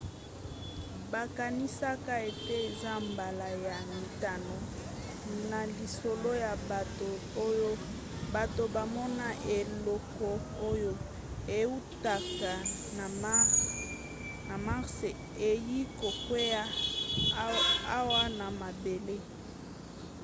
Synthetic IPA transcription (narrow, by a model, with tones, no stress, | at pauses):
ba˨ka˨ni˦sa˦ka˦e˨te˦e˨za˦mba˨la˨ja˨mi˨ta˨no˨ | na˨li˨so˨lo˦ja˨bto˨˦ | jo˦ | ba˨to˨ba˨mɔ˦na˦ʔe˨lɔ˦kɔ˦ | o˦jo˦ | e˨u˦ta˨ka˨na˨˦ | na˨ma˦ʁse˨ | e˨ji˦ko˨kwe˦ja˦ | a˦wa˦na˨ma˨be˨le˦